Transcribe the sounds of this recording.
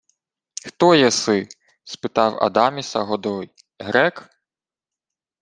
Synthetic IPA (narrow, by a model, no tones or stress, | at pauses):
xt̪ɔjɛsɪ | spɪt̪ɑwɐ̰d̪ɑmʲisɐɦɔd̪ɔj | ɦɾɛk